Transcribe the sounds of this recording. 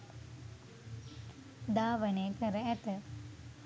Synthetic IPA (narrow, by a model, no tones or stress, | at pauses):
d̪aːʋənekəɾəæt̪ə